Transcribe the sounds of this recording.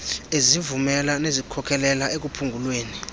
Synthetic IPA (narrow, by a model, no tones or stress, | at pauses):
ezivumɛlanezikʰɔkʰɛlɛlaek̬ʼupʰuŋɡʱulweːni